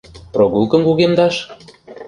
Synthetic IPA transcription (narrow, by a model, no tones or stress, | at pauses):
proɣulˠkɤ̆mkuɣemd̪ɑʃ